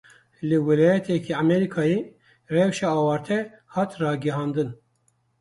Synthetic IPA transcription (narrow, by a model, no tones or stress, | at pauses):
lɨwɛlɑːjɛt̪ʰɛkʰiamɛɾikʰɑːje | rɛwʃɛɑːwɑːɾt̪ʰɛ | hɑːt̪rɑːɡɛɦɑːnd̪ɨn